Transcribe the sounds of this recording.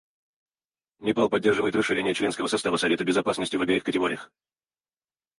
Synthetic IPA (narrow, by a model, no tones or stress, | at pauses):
mʲɪpalˠpɐdʲːe̞rʐɨvəjɪt̪rəʂːɨɾʲenʲɪjət͡ɕlʲenskəvəsɐst̪avəsɐvʲe̞t̪əbʲɪzɐpasnəsʲtʲɪvɐbʲɛikətʲɪɡoɾʲɪjəx